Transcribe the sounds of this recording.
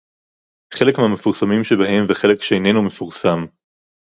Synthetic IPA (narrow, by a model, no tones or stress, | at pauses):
χe̞lekmehame̞fuʁsamimʃebaɦe̞mveχe̞lekʃeejne̞nume̞fuʁsam